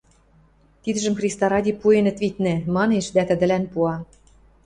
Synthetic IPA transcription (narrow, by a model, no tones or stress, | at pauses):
t̪id̪ə̆ʒə̆mxrʲist̪ɑɾɑdʲipuenɘ̆t̪vit̪nɘ̆mɑneʃd̪æt̪ə̆d̪ə̆lænpuɑ